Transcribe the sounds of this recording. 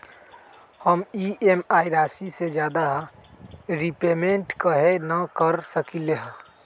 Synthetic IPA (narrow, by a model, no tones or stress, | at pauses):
həmiemaːɪɾaːsised͡ʒjaːd̪a | ɾipeːmẽɳʈkəɦenəkəɾsəkileɦə̃